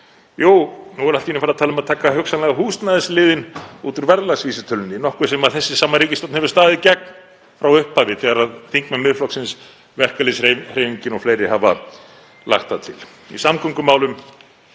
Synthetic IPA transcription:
joːwnuɛɾalt̪ːinɪfaɾat̪ʰaːlʏmaðt̪ʰaːkaɦʏksanlɛɣaɦuːst̪naðɪslɪːðɪnut̪ʏɾvɛɾðlaɣsviːsɪt̪ʰœlnːɪnɔhkvʏɾsɛmaðθɛsːɪsaːmaɾiːcɪst̪ɔtnhɛvʏ̥st̪aːðɪðɪcɛk̚n | fɾawʏhpavɪtθɛɣaɾaðθiŋkmɛmːɪðflɔksɪns | vɛr̥kalɪsr̥eːjviɲcɪnɔɣfleːjɾɪhava | la̰xt̪at̪ʰɪl̥ | ḭsamkʰʏŋkʏmaːwlʏm

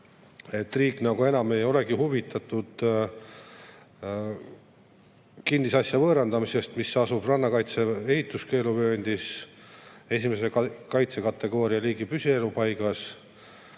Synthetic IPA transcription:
e̞t̪ːˑriːkˑnɑɡ̥ue̞nɑme̞jo̞le̞ɡihuvit̪ːˑɑt̪ːˑud̪̥ | kind̪̥isɑsjɑvɤːɾend̪ɑmise̞st̪misɑsub̥rɑnːɑkɑjt̪se̞ehit̪ˑːuske̞ːluvø̞ːnʲd̪̥is | e̞simese̞kɑjt̪se̞kɑt̪ːe̞ɡ̥o̞ːɾiɑliːɡipysʲie̞lupɑjɡ̥ɑs

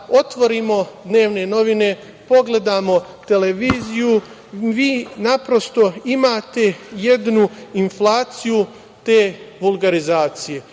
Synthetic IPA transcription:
o̞t̪ʋo̞ɾiːmo̞d̪ne̞ːʋne̞no̞ʋine̞ | po̞ɡle̞d̪aːmo̞t̪e̞le̞ʋiːziju | ʋiːnapɾo̞st̪o̞imaːt̪e̞je̞d̪nuinflaːt̪siju | t̪eːʋulˠɡaɾizaːt̪sije̞

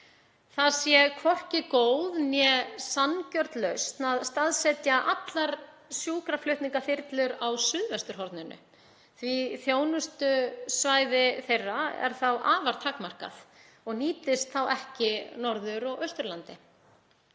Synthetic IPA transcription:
θaðsjɛkʰvɔr̥cɪkoːwðnjɛsancœɾt̪lœɥst̪naðst̪aðsɛt̪jaʔat̪laɾ | sjuːkɾaflʏht̪niŋkaθɪɾt̪lʏɾawsʏðvɛst̪ʏɾ̥ɦɔɾt̪nɪnʔʏ̰ | θviθjoːwnʏst̪ʏsvaːjðɪθejrːaɛ̰ɾ̥θawʔaːvaɾ̥t̪ʰakmar̥ka̰θ | ɔɣniːt̪ɪst̪θawʔɛhcɪnɔɾðʏɾɔɣœɥst̪ʏɾlant̪ɪ

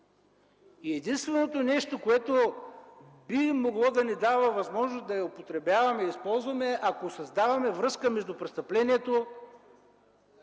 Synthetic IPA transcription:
iɛd̪inst̪vɛnot̪onɛʃt̪okoɛt̪o | bimoɡlˠɔd̪ɐnɛd̪avəvɐzmɔʒnosd̪ɐjɐopot̪ɾɛbjavɐmɛispɔlˠzvɐmɛʔakosɐzd̪avɐmɛvɾɤskəmɛʒd̪ʊpɾɛst̪ɐplɛniɛt̪o

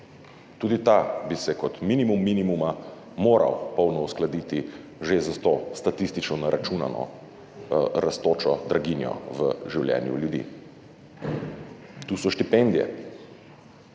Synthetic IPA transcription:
t̪uːd̪it̪abisɛkɔt̪minimumːinimuma | moːɾa̰wpɔwnɔusklad̪iːt̪i | ʒezast̪ost̪at̪ist̪it͡ʃnɔnaɾʔat͡ʃuna̰nɔ̰ | ɾast̪oːt͡ʃɔd̪ɾaɡinjɔ̰ʋə̰ʒiwljɛ̰njṵljud̪ḭ | t̪uːsɔʃt̪ipɛnd̪ijɛ̰

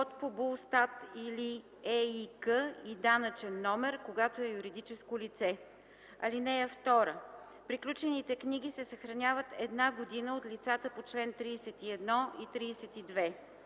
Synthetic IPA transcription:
ot̪pobulˠst̪at̪ili | ɛikəid̪anət͡ʃɛnːɔmɛɾkoɡat̪oɛjuɾid̪it͡ʃɛskolit̪sɛ | ɐ̰linɛəft̪ɔɾə | pɾiklʲut͡ʃɛnit̪ɛkniɡ̟isɛsəxɾɐnʲjavət̪ɛd̪naɡod̪inəot̪lʲit̪sat̪əpot͡ʃlɛnt̪ɾiːsɛt̪iɛd̪nɔit̪ɾiːsɛt̪id̪vɛ

